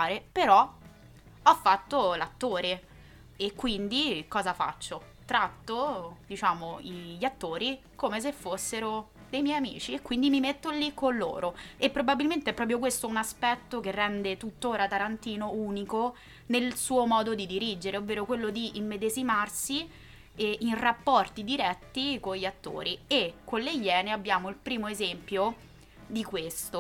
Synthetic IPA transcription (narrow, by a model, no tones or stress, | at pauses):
ɾepeɾɔ | ɔfːat̪ːolat̪ːoːɾe | ekːwind̪ikɔːzafa̰t͡ʃːo | t̪ɾat̪ːod̪it͡ʃaːmoiʎːat̪ːoːɾi | komes̬efːosːeɾo | d̪ejmjɛjamḭːt͡ʃiekːwind̪imimet̪ːolːikːonlːo̰ːɾoepːɾobabilment̪eɛpːɾɔːpɾjokwest̪ounaspɛt̪ːokerːɛnd̪et̪ut̪ːoːɾat̪aɾant̪iːnouːniko | nelsuːomɔːd̪od̪id̪iɾid͡ʒeɾeovːeːɾokwelːod̪iʔimːed̪ezimarsi | ɛinrapːɔrt̪id̪iɾɛt̪ːikoʎːat̪ːo̰ːɾiekːolejːɛːneabːjaːmoilpɾiːmoezɛmpjo | d̪ikwest̪o